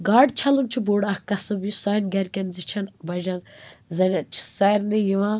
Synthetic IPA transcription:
ɡaːɖt͡ʃʰɐlunt͡ʃʰuboːɽahkɐsɨbjusaːnɡɐɾʲkʲɐnzit͡ʃʰɐnbɐʒanzɐnat͡ʃʰi̥sɐɾnijiʋã

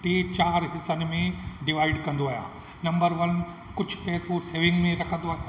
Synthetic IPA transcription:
ʈiːt͡ɕaːɾɦɪsənɪ̆mẽɖɪʋaːɪɖkɐ̃nd̪oaːɦja̰ː | nɐ̃mbəɾʋɐn | kʊd͡ʑʱʊ̥pɛːsoseːʋɪ̃ŋɡmẽɾɐkʰə̃nd̪oaːɦa

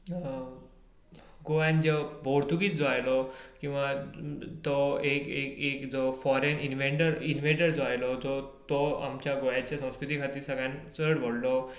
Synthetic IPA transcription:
ɡojand͡ʑəbʱoɽt̪uɡiːt͡sd͡zɔajlɔkĩw̃ʋat̪ɔekekekd͡zɔfɔɾeninʋẽɳʈəɾinʋeɳʈəɾd͡zɔajlɔd͡zɔt̪ɔa̰mt͡ɕjaɡojat͡ɕjasə̃w̃skɾut̪ikʰat̪iːɾsəɡjãnt͡səɽʋɔɽlɔ

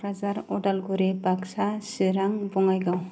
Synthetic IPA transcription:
ɾazaɾɔdalɡuɾebaksasiɾaŋbɔŋajɡaw

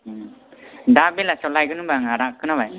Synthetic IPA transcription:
dabelasɔlajɡɯnɯbaŋaɾakɯnaβaj

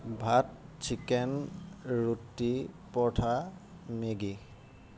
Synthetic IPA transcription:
bʱat̚t͡ʃʰikɛnɹutːipɔtʰa | meɡi

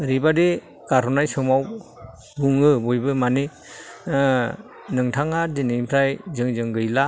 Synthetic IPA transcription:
ɾibadi | kaɾɔnajsɯmaw | buŋɯbujbɯmani | nɯŋtʰaŋadinimpʰɾajzɯŋzɯŋɡɯjla

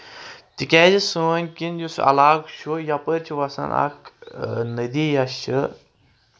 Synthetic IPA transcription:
t̪ikʲɛːzisunʲkinjusɐ̰laːɡt͡ʃʰujɐpəɾt͡ʃʰiʋɐsɐ̰nɐ̰knəd̪ijɐʃt͡ʃʰɨ

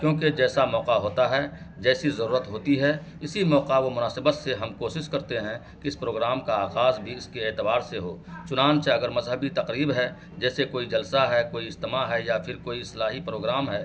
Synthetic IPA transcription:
kjõːked͡ʒɛːsamɔːqaɦoːt̪aɦɛ | d͡ʒɛːsizɐɾuːɾət̪ɦoːt̪iɦɛɪsimɔːqaʋomʊnaːsɪbət̪seɦɐmkoːʃɪʃkɐɾt̪eɦɛ̃ | kiɪspɾoːɡɾaːmkaaːɣaːzbʱiɪskeːt̪ɪbaːɾseɦoːt͡ʃʊnaːnt͡ʃɐɡəɾmɐzɦəbit̪ɐqɾiːbɦɛ | d͡ʒɛːsekoːid͡ʒɐlsaɦɛkoːiɪst̪ɪmaɦɛjapʰɪɾkoːiɪslaːɦipɾoːɡɾaːmɦɛː

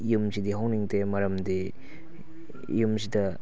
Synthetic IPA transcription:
jumsidiɦawniŋtemɐɾɐmdi | jumsidɐ

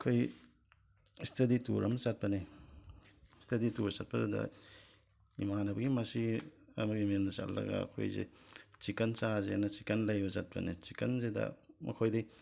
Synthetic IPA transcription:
kʰoj | stʰɐditṵɾɐmsat̚pɐne | stʰɐdituɾsat̚pɐdudɐ̰ | imanɐbɐɡimɐsiɐ̰mɐɡimiɐmdɐsa̰lːɐ̰ɡɐ̰ːkʰo̰jzḛt͡ʃikɐnt͡ʃazenɐt͡ʃi̥kɐnlajbɐsat̚pɐ̰net͡ʃikɐnzedɐ̰mʔɐ̰kʰojdij

